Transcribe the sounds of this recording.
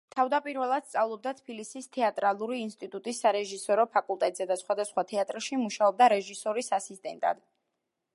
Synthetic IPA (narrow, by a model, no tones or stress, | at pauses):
t̪ʰavd̪apʼiɾvɛlˠad̪̥st̪ʼavlˠɔb̚d̪at̪ʰbilisist̪ʰɛat̪ʼɾalˠuɾiːnst̪ʼit̪ʼut̪ʼisːaɾɛʒisɔɾɔpʰakʼulˠt̪ʼɛt̪ʼz̥ɛd̪asχwad̪asχwat̪ʰɛat̪ʼɾʃimuʃaɔb̚d̪aɾɛʒisɔɾisasist̪ʼɛnt̪ʼa̰d̪̥